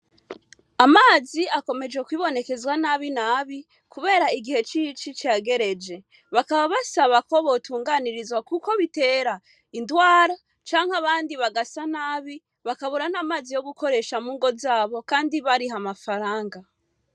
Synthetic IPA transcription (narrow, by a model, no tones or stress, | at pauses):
amaːziako̞me̞d͡ʒwe̞kwiːβo̞ne̞ke̞zwanaβinaːβi | kuβe̞ːɾaiɡihe̞t͡ʃit͡ʃit͡ʃaɡe̞ɾe̞d͡ʒe̞ | βakaβaβasaβako̞βo̞tʰuːŋɡaniɾizwakuko̞βite̞ɾa | indwaːɾa | t͡ʃaːŋ̥haβaːndiβaɡasanaːβi | βakaβuɾanaːmaːzijo̞ɡuko̞ɾe̞ʃamuːŋɡo̞zaːβo̞kaːndiβaɾiɦamafaɾaːŋɡa